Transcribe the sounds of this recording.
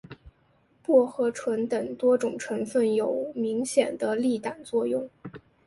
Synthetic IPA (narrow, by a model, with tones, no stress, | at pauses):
pwɔ˥˩xɤ˧˥ʈ͡ʂʰwə˧˥nt̪ə˨˩ŋt̪wɔ˥ʈ͡ʂʊ˨˩ŋʈ͡ʂʰɤ˧˥nfə˥˩njo˨˩ʊmi˧˥ŋɕjɛ˨˩nd̪ə˦li˥˩t̪a˨˩nt͡swɔ˥˧jʊ˥˩ŋ